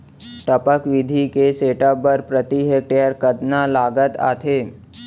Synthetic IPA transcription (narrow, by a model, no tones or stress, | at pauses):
ʈəpəkʋid̪ʱikeseʈəbəɾpɾət̪iɦek̚ʈejəɾkəd̪nalaɡət̪a̰t̪ʰe